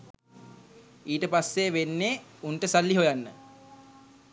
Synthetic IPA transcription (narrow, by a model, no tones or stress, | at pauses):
iːʈəpasːeʋenːeːunʈəsalːiɦojanːə